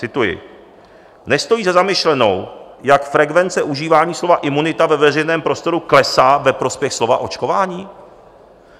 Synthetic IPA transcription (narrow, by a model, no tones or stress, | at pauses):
t͡sɪt̪ujɪ̰ | nɛst̪o̞jiːzazamɪʃlɛno̰w | jakfɾɛɡvɛnt͡sɛʔuʒiːvaːɲiːslo̞vaʔɪmunɪt̪avɛvɛrɛjnɛːmpɾo̞st̪o̞ɾuklɛsaːvɛpɾo̞spjɛxslo̞vaʔo̞t͡ʃko̞vaːɲiː